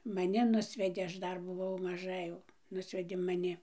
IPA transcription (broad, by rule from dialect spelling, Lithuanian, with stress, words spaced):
mɐˈnʲɪ ˈnʊsʲʋʲɛdʲeː ˈɐʃ ˈdɐr bʊˈʋɐʊ mɐˈʒɐ eːjɛʊ ˈnʊsʲʋʲɛdʲeː mɐˈnʲɪ